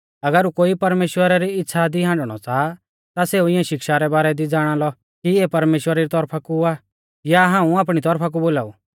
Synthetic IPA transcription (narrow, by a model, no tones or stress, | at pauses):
ɐɡəɾukoːipɐɾmeːʃwəɾaɾiɪtːsʃʰad̪iɦãːɳɖɽ̃ɔ̰t͡saː | t̪aseːuɪ̃jãʃɪkʃaɾɛbaːɾɛd̪id͡zaːɽ̃alɔ | kiepɐɾmeːʃwəɾaɾit̪ɔɾpʰakua | jaɦãːũaːpɽ̃it̪ɔɾpʰak̬uboːlaːṵ